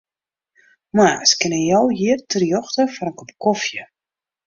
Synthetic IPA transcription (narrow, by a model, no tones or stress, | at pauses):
masə̥kɪnəjɔwjiərtʰərjɔxtəfɔɾənkopkɔfjə